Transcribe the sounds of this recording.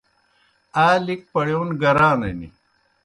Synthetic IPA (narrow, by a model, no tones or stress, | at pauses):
aːlik̚pɐɽjownɡɐɾaːnɐnḭ